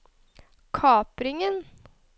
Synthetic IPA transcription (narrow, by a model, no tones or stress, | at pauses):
kʰɑːpɾɪŋən